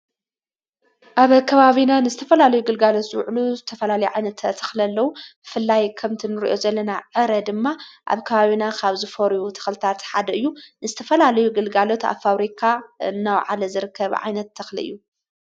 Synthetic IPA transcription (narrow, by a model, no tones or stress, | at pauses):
ʔaβkʰɐβaβinanɨzɨt̪ʰɐfɐlalɐjuɡɨlɡalot̪zɨw̰ʕluzɨt̪ʰɐfɐlalɐjuʕajnɐt̪ʰːɐt̪ʰɐ̥xlɐlːɐwub̥ɨfɨlːajkʰɐmt̪ʰinɨɾḭʔo̞zɐlːɐnaʕɨɾɐd̪ɨmːaʔa̰βkʰɐβaβinakʰaβzɨfɐɾujut̪ʰɐ̥xlɨt̪ʰat̪ħad̪ɐɨjːunɨzɨt̪ʰɐfɐlalɐjuɡɨlɡalo̞t̪a̰βfaβɾikʰaɨnːawʕa̰lɐzɨɾɨkːɐβʕa̰jnɐt̪ʰːɐxlḭɨ̰jːu